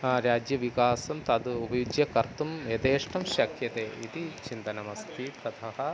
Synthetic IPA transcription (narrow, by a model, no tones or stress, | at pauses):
ɾjaːd͡ʒjɐʋikaːsɐmt̪ɐd̪uubɐjud͡ʒjɐkɐɾt̪umet̪eːʂʈɐmʃɐkjɐt̪eːit̪it͡ʃint̪ɐnɐmɐst̪ʰit̪ɐt̪ʰɐɦɐ̆